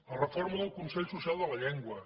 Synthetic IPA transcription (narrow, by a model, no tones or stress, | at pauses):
lərəfɔɾməðəlˠkunsɛʎsusialˠd̪ələʎɛŋɡwə